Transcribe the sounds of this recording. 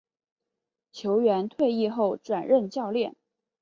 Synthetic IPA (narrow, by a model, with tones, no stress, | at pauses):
t͡ɕʰjo˧˥ʊɥɛ˧˥nt̪ʰwe˥˧ɪi˥˧xo˥˩ʊʈ͡ʂwa˨˩nɻə˥˧nt͡ɕjɑ˥˧ʊljɛ˥˩n